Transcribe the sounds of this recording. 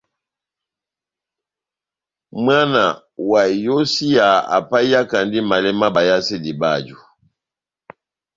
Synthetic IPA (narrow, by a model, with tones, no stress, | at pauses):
mwa˦na˨ | wa˨jo˦si˦a˨a̰˨pa˦ja˦ka˨ndi˦ma˨lɛ˦ma˦ba˨ja˦si˦di˨ba˦˨d͡ʒu˨